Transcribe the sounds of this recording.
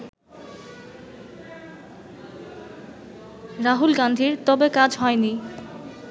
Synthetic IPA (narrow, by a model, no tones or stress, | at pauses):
ɾaɦulɡand̪ʱiɾt̪ɔbekad͡ʑɦɔeni